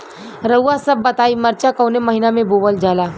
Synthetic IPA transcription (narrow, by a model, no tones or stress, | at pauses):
ɾəuasɐbːɐt̪aːimɐɾt͡ʃakɐːʊnemɐɦinamẽboːbəld͡ʒaːlaː